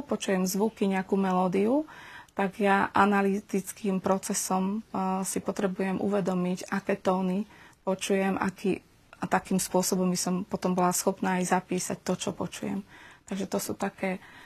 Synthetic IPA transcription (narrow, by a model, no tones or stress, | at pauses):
pɔt͡ʃujɛmzʋukiɲɛakumɛlɔːd̪iut̪aɡjaʔanalit̪it͡skiːmpɾɔt͡sɛsɔmsipɔt̪ɾɛbujɛmʔṵʋɛd̪ɔmiɟakɛːt̪ɔːnipɔt͡ʃujɛmʔa̰kʰḭː | t̪akiːmspʊɔsɔbɔmbisɔmpɔt̪ɔmbɔlasxɔpnaːjzapiːsa̰c̚t̪ɔt͡ʃɔpɔt͡ʃujɛ̰mt̪aɡʒɛt̪ɔsṵːt̪akɛː